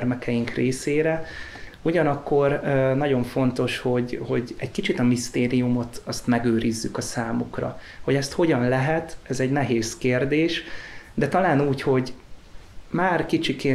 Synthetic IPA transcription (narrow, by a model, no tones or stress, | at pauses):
rmɛkʰɛjiŋkreːseːɾɛuɟɒnɒkːo̞rnɒɟo̞ɱfo̞nt̪o̞ʃho̞ɟho̞ɟɛɟkit͡ʃit̪ɒmist̪eːɾijumo̞t̪ɒst̪mɛɡøːɾizːykɒsaːmukrɒ̰ho̞ɟɛst̪ho̞ɟɒnlɛɦɛt̪ɛzɛɟnɛɦeːskeːrd̪eːʃd̪ɛt̪ɒlaːnuːcho̞ɟ | maːrkit͡ʃikeː